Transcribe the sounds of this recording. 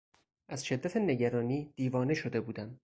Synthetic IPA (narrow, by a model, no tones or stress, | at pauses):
ʔæz̥ʃe̞d̪ːæt̪ʰene̞ɟæɾɒːniːd̪̥iːvɒːne̞ʃo̞d̪e̞buːd̪æm